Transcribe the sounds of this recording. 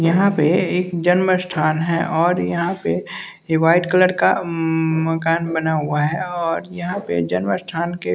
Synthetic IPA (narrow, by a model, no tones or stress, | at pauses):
jɐɦãpeeːkd͡ʒənməsʈʰaːnɦɛʔɔːɾjɐɦãpe | ɦɪwaːɪt̪kələɽka̰məkaːnbənaɦʊaɦɛɔːɾjɐɦãpḛd͡ʒənməsʈʰaːnke